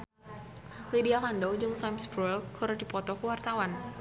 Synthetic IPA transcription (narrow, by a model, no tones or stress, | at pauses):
lidialandɔwd͡ʒɔŋsamsbɾɔɛlkʰuɾadipɔt̪ɔkəwart̪awan